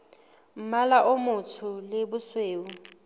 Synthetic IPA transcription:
m̩malaʔʊmʊtʰʊlɪbʊsweːʊ

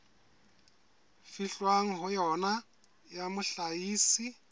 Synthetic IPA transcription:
fiɬwaŋ̩ɦʊjɔna | jamʊɬaiːsi

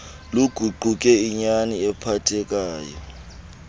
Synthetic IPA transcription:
luɡ̥ʱuǃʱuk̬ʼɛiɲaniɛpʰatʰɛk̬aːjɔ

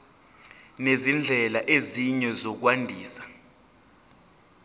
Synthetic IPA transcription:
nezind͡ɮʱɛlaʔeziɲɛzok̬wandʱiːsḁ

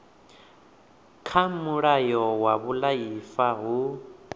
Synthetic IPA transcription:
kʰamuɺajɔwaβulajifaɦu

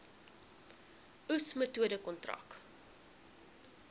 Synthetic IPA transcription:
usmətuədəkɔntrɐ̰k

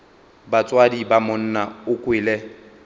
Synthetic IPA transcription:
bat͡sʼwadibamʊn̩naʊkʼwɪːlɛ

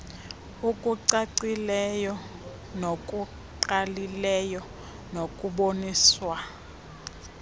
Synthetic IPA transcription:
ukʼuǀaǀilɛjɔ | nokʼu | ǃalilɛjɔ | nokʼuɓoniːswa

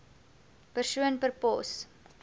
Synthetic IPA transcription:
pərsuənpərpɔ̰s

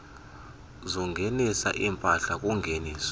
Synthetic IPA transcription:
zɔŋenisa̰ʔimpʼaɬak̬uŋʱeniːs

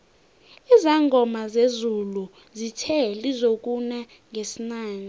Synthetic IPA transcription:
izaŋɡʱɔmazezulu | zitʰɛlizok̬ʼuna | ŋʱesinaːni

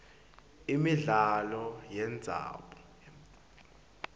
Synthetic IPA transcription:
imiɮalɔjɛnd͡zʱa̰ɓɔ

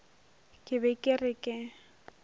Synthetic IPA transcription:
kʼɪbɛkʼɪrɪkʼɪ

